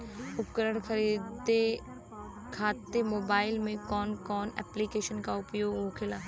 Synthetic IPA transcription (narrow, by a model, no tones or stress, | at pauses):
ʊpkəɾəɽ̃kʰəɾiːd̪e | kʰaːt̪ːemoːbaːɪlmẽkɔːnkɔːnɛ̰ːplikeːʃənkaʊpjoːɡɦoɡkʰɪlaː